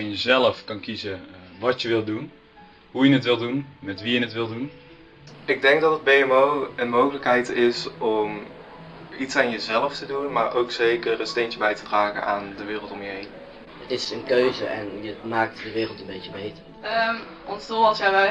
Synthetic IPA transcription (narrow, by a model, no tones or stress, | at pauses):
əjəzɛləfkɑnkizəʋɑtjəʋɪlˠdun | ɦujənətʋɪlˠdunmɛtʋijənətʋɪlˠdun | ɪɡ̚dɛŋɡ̚dɑtəd̚bejɛmowənmowɣələkɦɛjtɪsɔm | itsaːnjəzɛləftədunmaːɹʔowksejkərənstejnt͡ʃəbɛjtədraːɣə̰nʔa̰ːndəʋɪːrəlˠtɔmjəɦejn | ətɪsənkøɥzəʔɛ̰njəmaːk̚tdəʋɪːrəlˠtənbejəbejtərə | ɔnsdoɑsjaɛ